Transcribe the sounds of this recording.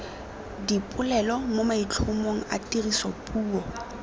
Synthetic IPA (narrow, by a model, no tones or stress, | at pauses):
dipʼʊlɛlɔmʊmait͡ɬʰʊmoŋ̩a̰tʼirisɔpʼuːɔ